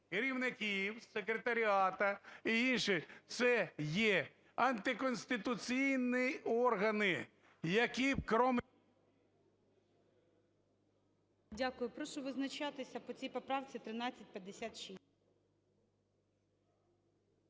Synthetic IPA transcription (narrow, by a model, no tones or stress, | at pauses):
keɾʲiwnɪkʲiwsekɾet̪ɐɾʲiɑt̪ɐiinʃɪt̪sɛjɛ | ɐnt̪ɪkɔnʲsʲt̪ɪt̪ʊt͡sʲijniɔrɦɐnɪ | jɐkʲipkɾɔm | dʲakʊjʊpɾɔʃʊʋɪznɐt͡ʃɑt̪ɪsʲɐpɔt͡sʲijpɔpɾɑwt͡sʲit̪ɾɪnɑt͡sʲːɐt̚ʲpʲjɐd̪esʲat̪ʃi